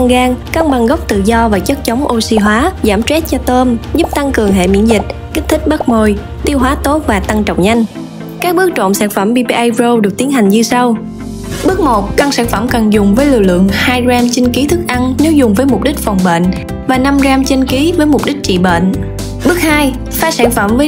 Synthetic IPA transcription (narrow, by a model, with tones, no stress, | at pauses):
a˧ŋɣaː˧ŋka˧ŋɓa˨˩ŋɣə˦˥wk͡p̚t̪ɨ̰˧˨zɔ˧vaː˨˩t͡ɕə˦˥k̚t͡ɕə˨˦wŋ͡mʔo˧si˧ɦwaː˨˦zaː˧˩mt͡ɕɛ˦˥t̚t͡ɕɔ˧t̪əː˧mzʊ˦˥p̚t̪a˧ŋkɨ˨˩əŋɦḛ˧˨mḭ˧˥ənzï˨˩k̟̚ | ki̟˦˥t̪ʰï˦˥k̟̚ɓa˦˥k̚mo˧˩j | t̪i˧əwɦwaː˨˦t̪o˦˥t̚vaː˨˩t̪a˧ŋt͡ɕə̰˧˨wŋ͡mɲa˧jŋ̟ | kaː˦˥k̚ɓɨ˦˥ək̚t͡ɕo̰˧˨msaː˧˥nfə˧˩mɓi˧pi˧ʔa˧jpzo˧wɗɨ˨˩ək̚t̪i˨˦ənha˨˩ŋɲɨ˧sa˧w | ɓɨ˦˥ək̚mo˨˩t̚ka˧ŋsaː˧˩nfə˧˩mkə˨˩nzʊ˨˩ŋ͡mvəː˨˦jlḭ˧˨əlɨ̰˧˨əŋhaː˧jzaː˧mt͡ɕi˧ŋki˨˦t̪ʰɨ˦˥k̚ʔa˧nne˨˦wzʊ˨˩ŋ͡mvəː˨˦jmʊ˨˩k͡p̚ɗi˦˥k̟̚fa˨˩wŋ͡mɓḛ˧˨n | vaː˨˩na˧mzaː˧mt͡ɕə˧nki˨˦vəː˨˦jmʊ˨˩k͡p̚ɗi˦˥k̟̚t͡ɕḭ˧˨ɓḛː˧˨n | ɓɨ˦˥k̚haː˧j | faː˨˦˥saː˧˩nfə˧˩mvəː˨˦